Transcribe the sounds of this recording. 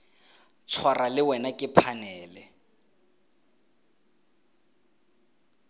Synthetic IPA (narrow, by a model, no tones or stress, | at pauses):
t͡sʰwaralɪwɛnakʼɪpʰanɛːlɛ